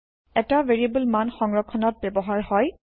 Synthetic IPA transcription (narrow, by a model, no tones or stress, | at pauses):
ɛtaveɹiabulmanxɔŋɹɔkʰːɔnɔt̚bɛbɔɦaɹhɔj